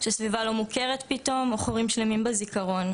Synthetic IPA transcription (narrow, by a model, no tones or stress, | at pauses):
ʃesvivalo̞muke̞ʁetpito̞moχoʁimʃlemimbezikaʁo̞n